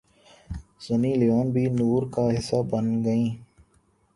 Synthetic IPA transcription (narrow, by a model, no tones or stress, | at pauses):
z̥əniːlɪjoːnbʱiːnuːɾkaːɦɪsaːbənɡəĩː